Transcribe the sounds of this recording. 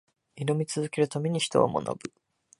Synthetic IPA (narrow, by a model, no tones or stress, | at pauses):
inomʲit͡sɨzɨke̞ɾɯ̟t̪ame̞ɲ̟içi̥t̪o̞̰a̰mʔo̰no̰bɯ̟